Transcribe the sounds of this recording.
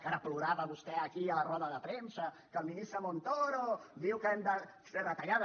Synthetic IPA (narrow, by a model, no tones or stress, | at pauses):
kaɾəpluɾaβəβust̪ɛəkiələrɔðəðəpɾensə | kəlˠminist̪ɾəmont̪oɾod̪iwkəɛmd̪ə | seðət̪ɐʎað